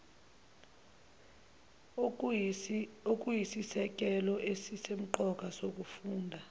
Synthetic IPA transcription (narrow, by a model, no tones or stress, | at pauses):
ok̬ʼujisisɛk̬ʼɛlɔʔesisem̩ǃɔk̬ʼasok̬ʼufuːndʱa